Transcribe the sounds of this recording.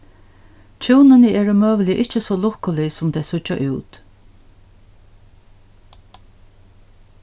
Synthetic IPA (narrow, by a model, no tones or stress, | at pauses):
t͡ʃʰuːnɪnɪɛːɹʊmøːʋɪlɪʔɪht͡ʃəsɔːlʊhkʊlɪsʊmt̪ʰɛːsʊt͡ʃːa̰ʔuːt̪